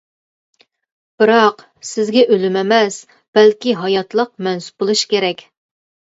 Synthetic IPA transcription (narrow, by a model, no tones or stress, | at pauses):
b̥ɨɾɑq | sɪzɡʲɛʔølɪmɛmɛs | b̥ælkʲiɦɑjɑt̪lˠəq̚mɛnsu̥p̚bolˠuʃkʲeɾɛkʲ